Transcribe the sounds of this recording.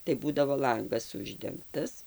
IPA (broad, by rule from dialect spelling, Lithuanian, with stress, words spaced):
tɐɪ ˈbuːdɐʋoː ˈlˠɐŋɡɐs ˈʊʒʲdʲɛŋktɐs